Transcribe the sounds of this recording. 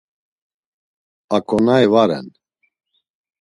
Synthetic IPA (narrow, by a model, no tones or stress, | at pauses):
akʰʼɔnaɛvaɾɛ̰n